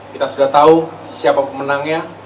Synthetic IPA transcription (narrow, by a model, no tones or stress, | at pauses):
kit̪asudaht̪au | siapapəmənaŋɲa